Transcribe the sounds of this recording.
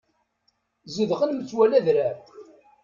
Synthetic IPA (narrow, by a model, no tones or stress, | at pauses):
zuðʁənmət͡sːwælæðɾæɾ